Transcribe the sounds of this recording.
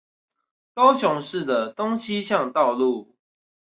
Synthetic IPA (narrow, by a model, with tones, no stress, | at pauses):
t̪o˦ʊɕjʊ˨˦ŋʂɻ̩˥˩d̪ə˨t̪o˦ŋɕi˦ɕjɑ˥˨ŋt̪ɑ˥˨ʊlu˥˨